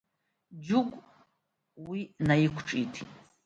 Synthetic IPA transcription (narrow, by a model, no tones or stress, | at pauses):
d͡ʒuɡʷʼ | winajikʷʰʈ͡ʂʼitʰ